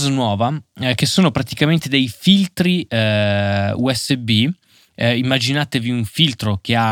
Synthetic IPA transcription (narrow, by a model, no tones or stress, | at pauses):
znwɔːvak̟esoːnopɾat̪ikament̪ed̪ejfilt̪ɾi | uɛsːebi | imːad͡ʒinaːt̪eviuɱfilt̪ɾok̟ea